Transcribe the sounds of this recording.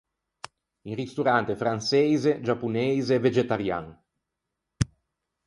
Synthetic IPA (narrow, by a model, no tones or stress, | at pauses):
iŋrist̪uɾant̪efɾansejzed͡ʒapːunejzeːved͡ʒet̪aɾja̰ŋ